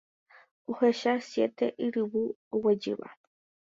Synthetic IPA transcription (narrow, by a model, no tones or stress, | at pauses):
uheʃasjet̪eʔiɾɨwuowed͡ʒɨ̰βa̰